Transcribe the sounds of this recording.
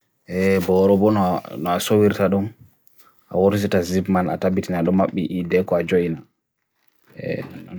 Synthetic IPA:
ʔɛbɔɾɔbɔnnɔasowiɾtaɗum | ʔa̰woɾs̬itazibmana̰tabitinaɗɔmːaɓːiʔidɛkɔad͡ʒojina | ɛ̰

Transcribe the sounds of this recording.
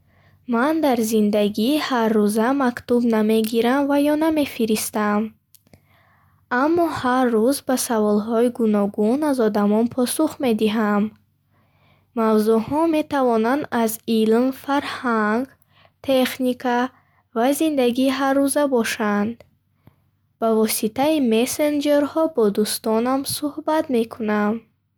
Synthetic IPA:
mand̪aɾzind̪aɡiːharːuzamakt̪ubname̞ɡiɾamvajɔname̞fiɾist̪am | amːɔhaɾːuzbasavɔlɦɔiɡunɔɡunazɔd̪amɔnpʰɔsuχme̞d̪iɦam | avzuhɔme̞t̪ʰavɔnand̪azilmfaɾhaŋɡ | t̪ʰeχnikʰa | vazind̪aɡiːɦarːuzabɔʃand̪ | b̥avɔsit̪aimesend͡ʒe̞ɾhɔbɔd̪ust̪ɔnamsuhbat̪me̞kʰunam

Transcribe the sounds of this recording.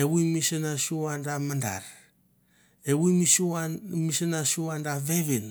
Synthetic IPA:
ewuimisenasuandamanda̰ɾ | ewumisuamisenasuandaβeβin

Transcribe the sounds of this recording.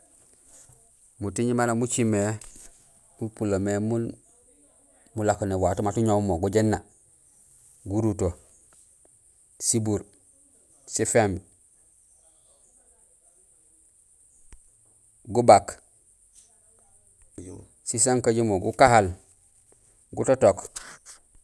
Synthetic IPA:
mutiɲimalamut͡ʃime | mupulamemun | mulakonewatumatuɲommoɡuɟenːa | ɡuɾuto | sibuɾ | sifem | ɡubak | sisaŋkaɟimoɡṵkahal | ɡutotok

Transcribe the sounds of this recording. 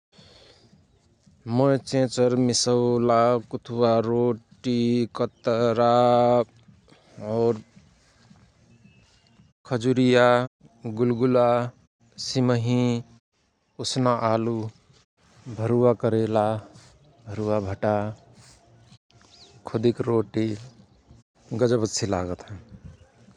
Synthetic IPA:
mʌt͡ʃẽt͡ʃʌɾmisəwlakut̪ʰuwaɾoʈikʌt̪ɾa | ɔɾ | kʰʌd͡ʒuɾija | ɡulɡula | siməɦĩ | osnaʔalu | bʱəɾuwakəɾela | bʱəɾuwabʱəʈa | kʰod̪ikɾoʈi | ɡəd͡ʒəbətːsʰilaɡət̪ɦə̃

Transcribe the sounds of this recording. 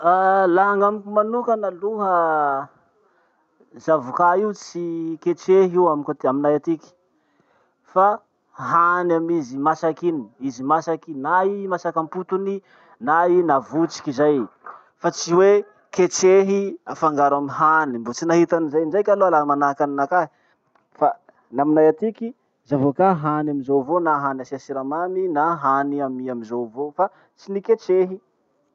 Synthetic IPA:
alaŋamikimanukənaluɦə | zavukaiut͡siket͡ʃeɦiwamikot̪aminajat̪iki̥ | fa | ɦanamizimasakinizimasakinaimasakamput̪uni | nainavut͡si̥kizaj | fat͡siwe | ket͡ʃeɦiafaŋɡaɾamiɦanimbut͡sinaɦit̪anizajnd͡ʒajkʲaloalamanakaninakaɦi | fa | naminajat̪iki | zavokaɦanaminzowvonaɦanasiasiɾamaninaɦaniamiamizowvofa | t͡siniket͡ʃeɦi

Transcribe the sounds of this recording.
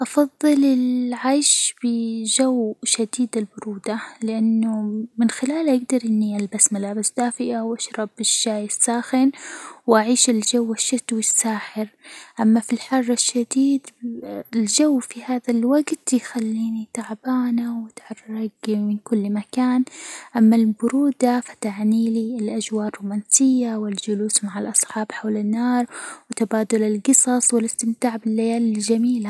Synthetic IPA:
ʔɑfɑðˤːɨlɪlʕaːjʃbɪʒawʃad̪iːd̪ɪlbʊɾuːd̪alɪʔanːʊmɪnxɪlaːlʔaɡd̪ɑɾˤʔɪnːiʔalbasmalaːbɪsd̪aːfɪʔawʔaʃɾˤɑbɪʃːaːjɪsːaːxɪnwʔaʕiːʃɪlʒawːɪʃːat̪wisːaːħɪɾʔamːafilħɑrˤːɪʃːad̪iːd̪ɪld͡ʒawːfihaːðalwaɡt̪jxalːiːnit̪aʕbaːnawɪt̪ʕɑrˤːɑɡmɪnkʊlːmakaːnʔamːalbʊɾuːd̪afḁt̪aʕniːliɪlʔad͡ʒwɑːɾˤruːmaːnsɪjːawɪld͡ʒʊluːsmaʕalʔɑsˤħɑːbħawlɪnːɑːɾˤwɪt̪abaːd̪ʊlɪlɡɨsˤɑsˤwɪlɪst̪ɪmt̪aːʕbɪlːajaːlɪld͡ʒamiːla

